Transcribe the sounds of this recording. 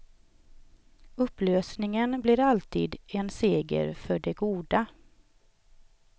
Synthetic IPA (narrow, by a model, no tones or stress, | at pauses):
ɵpːløːsnɪŋənblɪɾalt̪ʰḭːd̪ɛnseːɡə̰ɾfœɖɛɡuːd̪a